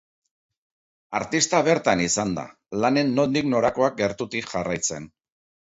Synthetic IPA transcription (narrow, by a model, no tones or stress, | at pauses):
aɾt̪ist̪aβe̞ɾt̪anisand̪a̰ | lane̞nːo̞nd̪ikno̞ɾako̞ak̚ɡe̞ɾt̪ut̪iʝarajt͡se̞n